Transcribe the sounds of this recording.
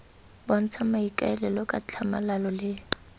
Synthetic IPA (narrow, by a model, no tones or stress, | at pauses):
bɔn̩t͡sʰamaikʼaɛlɛlɔkʼat͡ɬʰamalalɔlɪ